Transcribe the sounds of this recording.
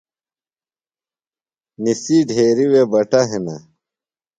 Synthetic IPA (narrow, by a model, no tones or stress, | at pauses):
nisiːɖʱeːɾiwebɐʈɐɦenɐ